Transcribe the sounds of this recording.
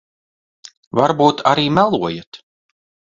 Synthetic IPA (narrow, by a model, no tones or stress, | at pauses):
vaɾbuːt̪aɾiːmælˠuɔjat̪